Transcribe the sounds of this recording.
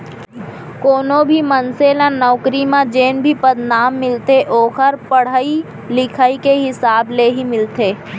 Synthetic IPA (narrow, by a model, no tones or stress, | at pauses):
koːnõbʱimənselãnɔːkɾimãd͡ʒeːnbʱipɐd̪naːmːɪlt̪eʔoːxəɾpəɽ̤ai | lɪkʰaːikeɦɪsaːbleɦimɪlt̪eː